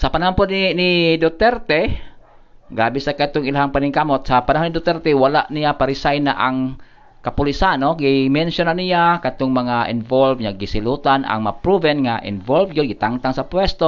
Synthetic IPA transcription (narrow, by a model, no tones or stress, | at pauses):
sapanaɦonpʊd̪ninid̪ot̪ɛɾt̪ɛ | ɡɾaːbɛsakat̪ʊŋɪlaɦaŋpanɪŋkamot̪̚sapanaɦonid̪ot̪ɛɾt̪ɛwalaʔnijapaɾɪsajna̰ʔaŋ | kapʊlisanoɡimɛnsjonanijakat̪ʊŋmaŋaʔɪnvolvɲaɡisɪlut̪ana̰ŋmapɾuvɛnŋaʔɪ̰nvolvjoɡɪt̪aŋt̪aŋsapwɛst̪o